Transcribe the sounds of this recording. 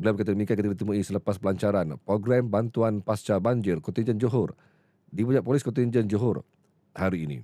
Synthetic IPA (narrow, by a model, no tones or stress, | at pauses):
bəliawbəkat̪adəmikiakt̪iɡadit̪əmũisələpaspəlaɲt͡ʃaɾanpɾoɡɾambant̪uanpast͡ʃabaɲd͡ʒɪrkɔnt̪ind͡ʒənd͡ʒoɦʊr | dipud͡ʒaʔ̚polɪskɔnt̪ind͡ʒənd͡ʒuɦʊr | haɾiːnḭ̃